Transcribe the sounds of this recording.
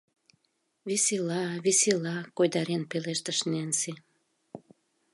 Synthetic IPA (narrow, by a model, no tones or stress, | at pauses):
βisilɑβisilɑkojd̪ɑɾenpeleʃt̪ə̆ʃnensi